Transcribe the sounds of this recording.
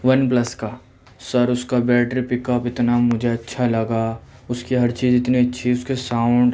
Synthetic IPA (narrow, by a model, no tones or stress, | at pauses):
ʋɐnplɐskaː | sɐɾʊskabɛːʈɾipɪkɔpɪt̪namʊd͡ʒʱeɐtːʃʰalɐɡa | ʊskiɦɐɾt͡ʃiːzɪt̪niɐtːʃʰiʊskesaːʊ̃ɳɖ